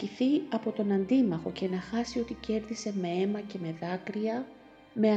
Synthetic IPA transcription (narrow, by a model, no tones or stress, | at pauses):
iθiɐpo̞t̪o̞nɐnd̪imɐxo̞ce̞nɐxɐsio̞t̪ice̞ɾðise̞me̞e̞mɐce̞me̞ðɐkɾiɐ | me̞